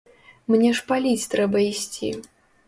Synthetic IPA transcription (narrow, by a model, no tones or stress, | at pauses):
mnʲɛʂpalʲit͡sʲt̪ɾɛbɐisʲt͡sʲḭ